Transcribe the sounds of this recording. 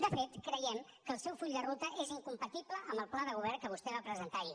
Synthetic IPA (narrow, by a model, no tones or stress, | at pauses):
d̪əfet̪kɾəjɛm | kəːlˠsɛwfuʎʲd̪ərut̪əʔeziŋkumpət̪ipləʔəmbəlˠplaðəɣ̞uβ̞ɛrkəβ̞ust̪ɛβapɾəzənt̪aɾi